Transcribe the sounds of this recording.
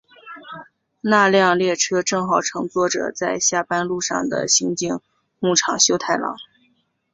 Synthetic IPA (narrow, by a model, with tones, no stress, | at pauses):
na˥˧ljɑ˥˧ŋljɛ˥˩ʈ͡ʂʰɤ˥ʈ͡ʂɤ˥˩ŋxɑ˨˩ʊʈ͡ʂʰɤ˧˥ŋt͡swɔ˥˩ʈ͡ʂɤ̰˨˩t͡sa˥˧ɪɕja˥˩pa˥nlu˥˧ʂɑ̰˥˩ŋd̪ə̰˩ɕi˧˥ŋt͡ɕi˥˧ŋ | mu˥˩ʈ͡ʂʰɑ˨˩ŋɕjo˥ʊt̪ʰa˥˩ɪlɑ̰˧˥˦ŋ